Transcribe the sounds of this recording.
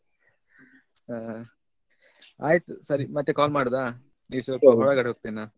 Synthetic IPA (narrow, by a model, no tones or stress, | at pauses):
a | a̰ːjt̪usɐɾimɐt̪ːekaːlmaːɽod̪aː | niːʋsɐlpɐbɐɭɐɡɐɽeɦoɡ̚t̪inːaː